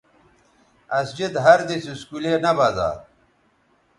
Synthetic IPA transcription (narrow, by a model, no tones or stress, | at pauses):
ɐsd͡ʑid̪ɦɐɾd̪isiskulenɐbaza̰ː